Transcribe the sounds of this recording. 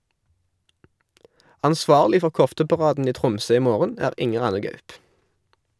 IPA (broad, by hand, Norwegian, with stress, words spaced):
ɑnˈsʋɑːʁlɪ ˈfɔʁ ˈkɔftəpɑˌʁɑːdn̩ ˈiː ˈtʁʊmsøː ˈiː ˈmoːʁən ˈæːʁ ˈɪŋəʁ ˈɑnə ˈɡɑʉp